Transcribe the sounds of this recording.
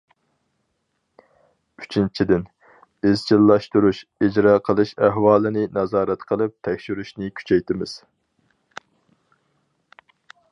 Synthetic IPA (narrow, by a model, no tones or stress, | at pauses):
y̥t͡ʃʰint͡ʃʰid̪ɪn | bɪzd͡ʒilˠːɑʃt̪uɾuʃid͡ʒɾɑːqʰəlˠɨʃæɦwɑːlˠɨnɪnɑzɑːɾɛt̪qʰəlˠɨp̚t̪ʰɛkʲʃyɾyʃnɪkʲʰy̥t͡ʃʰɛjt̪ɪmɪz̥